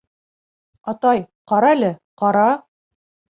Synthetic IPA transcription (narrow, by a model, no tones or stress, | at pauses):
ɑt̪ɑj | qɑɾɑælɘqɑɾɑ